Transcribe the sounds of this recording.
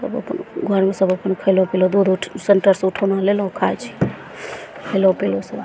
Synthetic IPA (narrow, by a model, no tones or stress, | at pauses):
sə̰bə̰pənɡʱəɾmesəbəpənkʰəjlũpilod̪ud̪uʈʰsəɳʈəɾsuʈʰəwnalelũkʰat͡ʃʰi̥ | kʰəjlũpilosəb